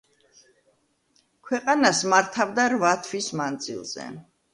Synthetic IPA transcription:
kʰwɛqʼanasmaɾt̪ʰavd̪aɾvat̪ʰwismand̪zḭlˠz̥ɛ̰

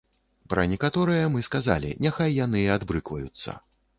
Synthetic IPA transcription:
pɾɐnʲɛkat̪ɔɾɨjɐmɨskaza̰lʲḭnʲaxajːan̪ɨad̪bɾɨkvɐjut̪sːɐ̰

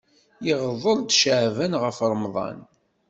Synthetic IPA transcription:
jiʁəðˤəɾˤd̪ʃəʕvænʁəfɾˤmðˤɑ̰n

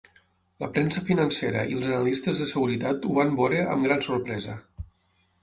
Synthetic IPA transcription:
ləpɾensəfinənseɾə̰ʔilˠzənalist̪əzðəsəɣ̞uɾit̪at̪uβambɔɾeə̰mɡɾansoɾpɾɛzə

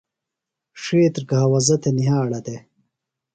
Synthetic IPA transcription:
ʂeːt̪ɾɡaawɐzɐt̪eniɦaːɽɐt̪e

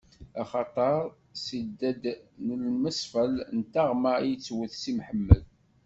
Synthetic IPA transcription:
æχɑt̪ˤɑɾˤ | sid̪ːæd̪nəlməsˤfəlnt̪aʁmaijt͡sːwəθsimħəmːəl

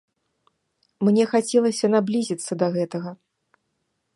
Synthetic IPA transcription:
mnʲɛxat͡sʲɛlˠɐsʲɐnablʲizʲit̪sːɐd̪ɐɣɛt̪ɐɣɐ

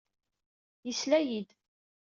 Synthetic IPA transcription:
jislæjid̪

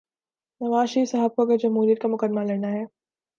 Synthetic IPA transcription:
nɐʋaːʃiːsɐɦəb̚koɡeɾd͡ʒɐmɦuːɾijət̪kamʊkəd̪maleːnaɦɛː

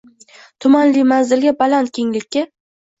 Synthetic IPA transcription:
t̪ʰʊmanlijmanzɪlɡʲabalant̪̚kʲʰeŋlɪkʲːa

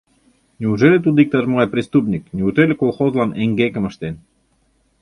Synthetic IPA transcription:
nʲeuʒelʲet̪̬ud̪ik̚t̪ɑʒmɤʁɑjpɾʲist̪upnʲik̚nʲeut̪elʲĕkolˠxozlɑneŋɡekə̆mə̆ʃt̪en

